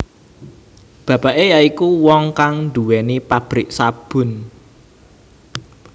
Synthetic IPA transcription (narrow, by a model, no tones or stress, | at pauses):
b̥ä̤b̥a̤ʔejaikuwɔŋkaŋnd̪uwɛnipab̥ɾɪʔsab̥ʊ̤n